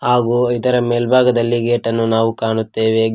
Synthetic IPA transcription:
haːɡuid̪ɐɾɐmeːlbʱaːɡɐd̪ɐlːiɡeːʈɐnːunaːʋukaːɳut̪ːe̞ːʋe

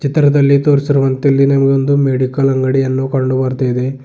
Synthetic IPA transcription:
t͡ʃit̪ːɾɐd̪ɐlːit̪oːɾsiɾuʋɐnt̪ɐlːinɐmɐɡeond̪umeːɽikɐlɐŋɡɐɽijɐnːukɐɳɖubɐɾt̪ɐjid̪e

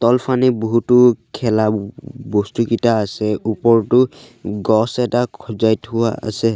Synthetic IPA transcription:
tɔlpʰaniboɦutʊkʰɛlabɔstukitaːsɛupɔɹtʊ | ɡɔsɛtakʰɔzajtʊwaa̰sɛ

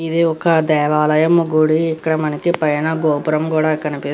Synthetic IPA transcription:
id̪iɔkɐd̪ɛːʋaːlɐjɐmːuɡuɽiːkːɐɽɐmɐnɐkipɐjɐnɐɡoːpuɾɐmkuːɽaːikːɐnipi

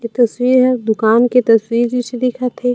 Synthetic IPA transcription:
et̪ɐswiːɾɦɛd̪ʊkaːnket̪ɐswiːɾd͡ʒit͡ʃʰed̪ɪkʰat̪ʰɦeː

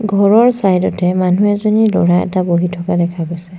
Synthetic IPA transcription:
ɡʱɔɹɔɹsajdɔtɛmanuɛzonilo̰ɹaɛ̰taboɦitʰɔkadɛkʰaɡojsɛ

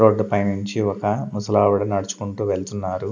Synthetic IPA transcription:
oːɖːɐpɐjnuɲt͡ʃiɔkɐmusɐlaːʋuɽɐnɐɽut͡ʃu̥kuɳʈuːʋe̞ɭt̪unːaːɾu

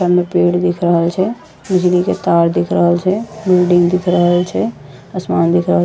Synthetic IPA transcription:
əɾmepeːɽd̪ɪkʰɾəɦəlt͡ʃʰɛ | bɪd͡ʒliket̪aːɾd̪ɪkʰɾəɦəlt͡ʃʰɛbɪlɖɪ̃ŋɡd̪ɪkʰɾəɦəlt͡ʃʰɛ | əsmaːnd̪ɪkʰɾəɦəl

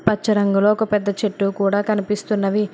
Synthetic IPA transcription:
pɐt͡ʃːɐɾɐŋɡulo̞ːɔkɐpɛd̪ːɐt͡ʃeʈːukuːɽaːkɐnipist̪unːɐʋi

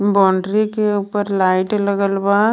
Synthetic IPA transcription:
bɔ̃ːɳɖɾikeʊpəɾlaːɪʈləɡəlba

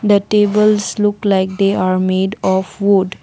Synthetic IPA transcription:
d̪əʈeːbəlslʊklaɪk̚d̪eaːɾmeːɖɔfʋʊɖ

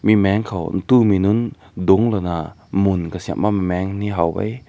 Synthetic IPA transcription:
mimɛŋkʰɔwn̩t̪uminun | dʊŋlɔna | munkasia̰ʔmamimɛŋniɦawbɐ̰j

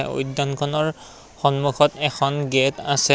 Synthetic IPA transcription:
ɛo̰jdːɔnkʰɔnɔɹ | xɔnmuxʰɔtɛkʰɔnɡetasɛ

